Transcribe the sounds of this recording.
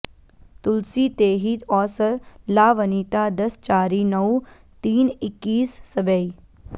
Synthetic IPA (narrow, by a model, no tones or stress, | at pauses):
t̪ʊlsiːt̪eːɦiːt̪ɔːsəɾlaːʋəniːt̪aːd̪ɐst͡ʃaːɾiːnɐw | t̪iːnɪkːiːsːɐbəi